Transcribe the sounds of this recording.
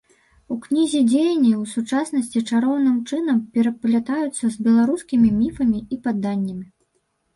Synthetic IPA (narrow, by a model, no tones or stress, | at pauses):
uknʲizʲid͡zʲejɐnʲːɐwsut͡ʂasnɐsʲt͡sʲit͡ʂaɾɔwnɨmt͡ʂɨnɐmpʲɛɾɐplʲat̪ajut̪sːɐzbʲɛlˠaɾuskʲimʲimʲifɐmʲiipad̪ːanʲːɐmʲi